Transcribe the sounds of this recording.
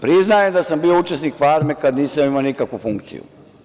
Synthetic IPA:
pɾiznajemd̪asambiːout͡ʃesnikfaːɾmekad̪niːsamimaonikakʋufuŋkt̪sḭjṵ

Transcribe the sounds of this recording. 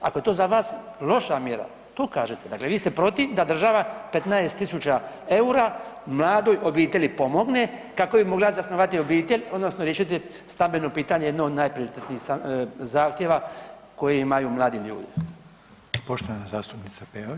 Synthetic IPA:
a̰koe̞t̪oːzaʋaːslˠo̞ʃamjeɾa̰ | t̪oːkaːʒet̪ed̪akle̞ʋiːst̪epɾo̞t̪iʋd̪ad̪r̩ʒaʋape̞t̪naest̪isut͡ʃa | e̞uɾamlˠaːd̪o̞jʔo̞biːt̪eʎipo̞mo̞ɡnekako̞bimo̞ɡlazasnoʋat̪io̞biːt̪eʎo̞d̪no̞snoɾjeʃit̪ɛ | st̪ambeno̞piːt̪aɲejed̪nood̪najpɾio̞ɾit̪et̪niːsazaːxt̪jeʋako̞jeimajumlˠaːd̪imʎṵːd̪i | poʃt̪oʋanazaːst̪upnit̪sapeo

